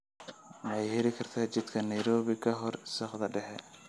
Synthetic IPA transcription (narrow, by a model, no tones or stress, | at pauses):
mɐɛjhɛɾɪkʰɐrt̪ʰaːt͡ʃɪd̪kʰɐnɐjɾɔːβɪkʰɐɦɔrsɐχd̪ɐɖɛħɛ